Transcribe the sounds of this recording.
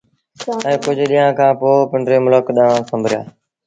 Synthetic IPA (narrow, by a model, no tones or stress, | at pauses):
ə̃ːkʊd͡ʒʱɗiːãːkʰãːpoːpɪɳɖɾeːmʊləkɗãːsəmbʱɾɪja̰ː